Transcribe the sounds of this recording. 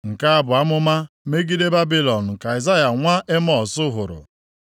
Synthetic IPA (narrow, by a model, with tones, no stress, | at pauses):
ŋ̩˨ka˦a˦bʊ˨a˦mʊ˦ma˦ | me˦ɡi˦de˦ba˦bi˦lɔ˨n̩˨ka˨i˨za˦ja˨ŋʷa˦ʔe˦m˦ɔ˨sʊ˦ɦʊ˨ɾʊ̰˨